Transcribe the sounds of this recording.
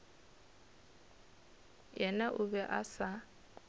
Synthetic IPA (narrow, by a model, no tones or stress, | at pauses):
jɛnaʔʊβɛʔasa